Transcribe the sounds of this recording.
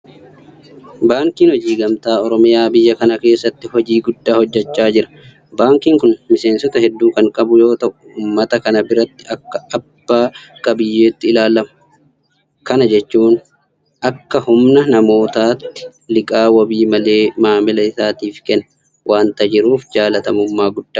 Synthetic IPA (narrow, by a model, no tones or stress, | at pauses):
baːŋkiːnhɔd͡ʒiːɡɐmt̪aːɔɾɔmɪjaːbɪjːɐkɐnɐke̞ːsːɐt̪ːɪhɔd͡ʒiːɡʊd̪ːaːhɔd͡ʒːɛt͡ʃːaːd͡ʒɪɾɐ̥ | baːŋkiːŋkʊnmɪse̞ːnsɔt̪ɐhɛd̪ːuːkɐŋkʼɐbʊjo̞ːt̪ɐʔʊʊːmːɐt̪ɐkɐnɐbɪɾɐt̪ːɪɐkːɐːb̥ːaːkʼɐbɪjːe̞ːt̪ːɪɪlaːlɐmʊ̥ | kɐnɐd͡ʒɛt͡ʃːuːn | ʔɐkːɐhʊmnɐnɐmo̞ːt̪aːt̪ːɪ̥ | lɪkʼaːwɐbiːmɐle̞ːmaːmɪlɐɪsaːt̪iːfkɛnːɐ | wʔaːnt̪ɐd͡ʒɪɾuːfd͡ʒaːlɐt̪ɐmʊmːaːɡʊd̪̥ːaː